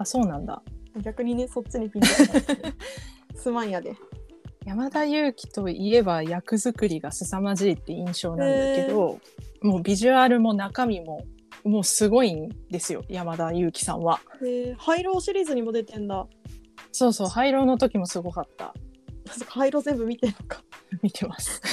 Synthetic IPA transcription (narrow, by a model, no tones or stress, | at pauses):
aso̞ːnãnd̪a̰ɡʲakɯ̟ɲ̟ine̞so̞t͡ɕɨɲ̟ipʲĩ | sɨmãjad̪e̞jamad̪ajɯ̟ːkʲi̥t̪o̞ie̞bajakɯ̟zɨkɯ̟ɾʲiɡasɨsamaʑiɾʲit̪ːe̞ĩɰ̃ɕo̞ːnãnd̪essked̪omo̞ːbʲiʑɨaɾɯ̟mo̞nakamʲimo̞mo̞ːsɨɡo̞ĩnd̪e̞sɨjo̞̰jamad̪ajɯ̟ːkʲi̥sã̰βaehaiɾo̞ːɕiɾʲiːzɨɲ̟imo̞d̪e̞t̪ẽ̞nd̪a | so̞ːso̞ːhaiɾo̞ːno̞t̪o̞kʲimo̞sɨɡo̞kat̪ːa̰nãskahaiɾo̞ːzembɯ̟mʲit̪eɾɯkḁmʲit̪e̞masɨ̥